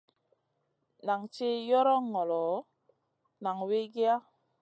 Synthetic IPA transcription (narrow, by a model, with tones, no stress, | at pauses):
na˨ŋt͡ʃe˦jɔ˦ɾɔ˦ŋɔ˨lɔ˨ | na˨ŋwe˦ɡi˦a˦